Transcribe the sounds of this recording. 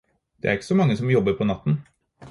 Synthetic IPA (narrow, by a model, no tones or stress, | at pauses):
d̪̥ɛ̰æɾɪkːə̥sɔmɑŋːəsɔmjɔbːəɾpʰɔnɑt̪ːn